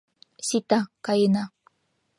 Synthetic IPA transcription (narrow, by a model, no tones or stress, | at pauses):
sit̪akajna